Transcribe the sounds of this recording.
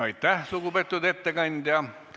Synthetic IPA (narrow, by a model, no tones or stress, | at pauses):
ɑit̪ːæhsukupet̪ːut̪et̪ːekɑnʲd̪̥jɑ